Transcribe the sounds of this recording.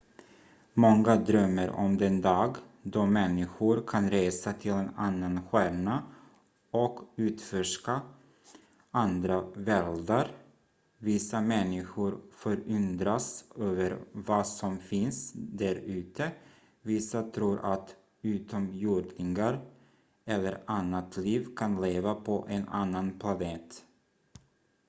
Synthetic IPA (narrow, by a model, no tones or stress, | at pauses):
mɔŋːad̪ɾœmːəɾʔɔ̰md̪ɛnd̪ɑːɡd̪ɔmɛnːɪɧʊɾkʰanɾeːsat̪ʰɪlɛnanːanɧæːɳa | ɔkʉ̟ːt̪fœʂka | and̪ɾavɛld̪aɾ | vɪsamɛnːɪɧʊɾfœɾɵnd̪ɾasøːvəɾvasɔmfɪnsd̪æɾʉ̟ːt̪ʰə | vɪsat̪ʰɾuːɾʔat̪ | ʉ̟ːt̪ɔmjuːɖnɪŋaɾ | ɛlːəɾanːat̪ʰliːvkʰanleːvapʰɔʔɛna̰nːanpʰlaneːt̪